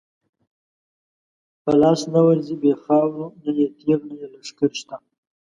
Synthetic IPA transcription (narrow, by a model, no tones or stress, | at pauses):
pəlɑːsnawaɾzibexɑːwɾunajet̪eɾnajelaʂkaɾʃt̪a